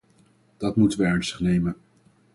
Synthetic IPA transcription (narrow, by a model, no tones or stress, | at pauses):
d̥ɑtmutənʋəɛɹnstə̥χnejmən